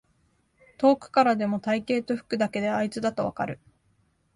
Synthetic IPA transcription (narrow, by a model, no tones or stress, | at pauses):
t̪o̞ːkɯ̟̥kaɾad̪e̞mo̞t̪aike̞ːt̪o̞ɸɯ̟̥kɯ̟d̪ake̞d̪e̞ait͡sɨd̪at̪o̞β̞a̰kaɾɯ̟̰